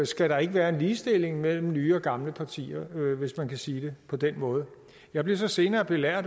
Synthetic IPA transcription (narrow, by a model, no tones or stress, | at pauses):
sɡ̥æɾ̥ɑ̈e̝ɡ̥əʋæːɐe̝nliːsd̥e̝l̰e̝ŋmel̰m̩nyːɒ̽ɡ̥ɑ̈mləpʰɑ̈t͡sʰḭːɐʋe̝smænkʰæsiːd̥e̝pʰɒ̽d̥enmɔ̽ːð̞̩ˠə | jɑ̈ɪble̝ɐsɒ̽se̝ːnɐːb̥e̝læɐ̰d